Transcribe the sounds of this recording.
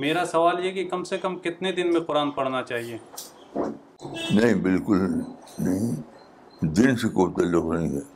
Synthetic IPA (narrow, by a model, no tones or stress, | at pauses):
meːɾasɐʋaːljekikɐmsekɐmkɪt̪ned̪ɪnmẽqʊɾaːnpɐɽnat͡ʃaːɦieː | nɐɦĩbɪlkʊl | nɐɦĩ | d̪ɪnsekobt̪ɐlːʊqnɐɦĩɦɛː